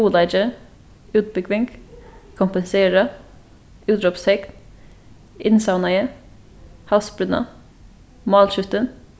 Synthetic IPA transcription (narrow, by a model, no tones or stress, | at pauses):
uːlɑɪd͡ʒə | ʉːt̪̚bʏkʰʋɪŋɡkʰʊmpənseːɾɑ | ʉːd̪ɾɔpst̪ʰɛkn | ɪnsɑʊnɑə | hɑsbɾʉnɑ̰ | mɑːlʃʉt̪ən